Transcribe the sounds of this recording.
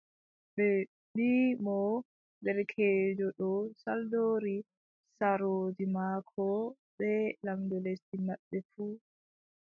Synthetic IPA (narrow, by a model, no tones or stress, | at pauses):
ɓɛ | ɗimɔ | dɛɾkʰeːd͡ʒɔɗɔsaldoɾi | saɾod͡ʒimaːkʰɔ | ɓɛlamdɔlestimaɓːɛfuː